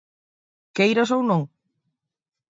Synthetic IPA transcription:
kejɾas̬ownõŋ

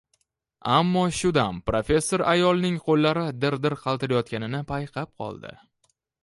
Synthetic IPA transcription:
amːɒʃʊd̪ampɾofʲe̞sːo̞ɾajɒlˠnɪŋqʰolˠːaɾɪd̪ɪɾd̪ɪɾqʰɑlˠt̪ɪɾajɒt̪̚kʲanɪnɪpʰajqʰɑp̚qʰɒ̰lˠd̪ɪ̰

